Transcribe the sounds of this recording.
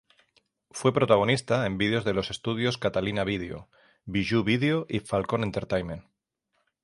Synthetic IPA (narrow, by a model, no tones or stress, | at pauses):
fwe̞pɾo̞t̪aɣ̞o̞nist̪ae̞mbiðeo̞zðe̞lo̞se̞st̪uð̞jo̞skat̪alinaβ̞iðeo̰ | βiʒuβið̞eoʔifalko̞nent̪eɾt̪ajmẽn